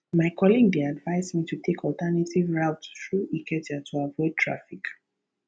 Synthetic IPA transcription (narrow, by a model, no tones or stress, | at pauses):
maɪkʰɔlĩŋdeadvaɪzmitutʰekʰɔltɛnatʰivɹaʊtθɹuʔikʰɛtatʰuavɔɪd̚tʰɹa̰fik